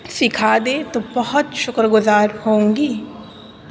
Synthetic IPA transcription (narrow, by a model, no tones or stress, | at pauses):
sɪkʰaːd̪et̪obɐɦʊt̪ʃʊkɾəɡʊzaːɾhõːŋɡiː